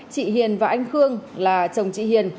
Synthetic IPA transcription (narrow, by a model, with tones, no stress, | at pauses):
t͡ɕḭ˧˨ɦi˨˩ənvaː˨˩ʔa˧jŋ̟xɨ˧əŋlaː˨˩t͡ɕə˨˩wŋ͡mt͡ɕḭ˧˨hi˨˩ən